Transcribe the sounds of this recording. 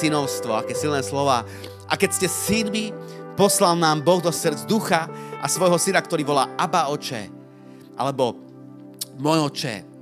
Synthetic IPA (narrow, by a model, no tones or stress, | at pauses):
inɔʊst̪ʋɔakɛːsilnɛːslɔʋaː | ʔa̰kɛcscɛsinmipɔslalnaːmbɔɣd̪ɔsr̩d͡zd̪uxaʔasʋɔjɦɔsinakt̪ɔɾiːʋɔla̰ːʔabaɔt͡ʃɛ̰ː | ʔa̰lɛbɔ | mɔjɔt͡ʃɛ̰ː